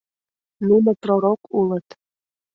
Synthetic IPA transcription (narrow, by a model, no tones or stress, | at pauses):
nunəproɾokulˠət̪